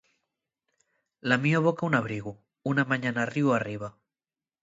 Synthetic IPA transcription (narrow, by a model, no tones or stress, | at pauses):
lamioβokaunaβɾiɣu | unamaɲanariwariβ̞a